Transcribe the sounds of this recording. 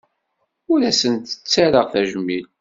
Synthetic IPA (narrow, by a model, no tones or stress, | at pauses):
ʊɾæsənt̪ə̥t͡sːaɾəʁθæʒəmːil